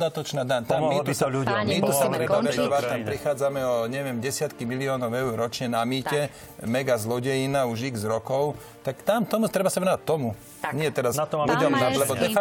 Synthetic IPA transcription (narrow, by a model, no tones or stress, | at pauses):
d̪at̪ɔt͡ʃnaːd̪aɲt̪amit̪saummit̪usat̪ɾɛbabɛzɔd̪ʋat̪ampɾixaːd͡zamɛɔɲɛʋɪɛmɟɛsɪat̪kimiliɔːnɔʊɛʊɾɾɔt͡ʃɲɛnamiːcɛ | mɛɡazlɔɟɛjinauʒiɡzɾɔkɔʊ | t̪akt̪amt̪ɔmut̪ɾɛbasaʋɛnɔʋat̚t̪ːɔmu | ɲɪɛt̪ɛɾasludɔmalɛbɔd̪ɛf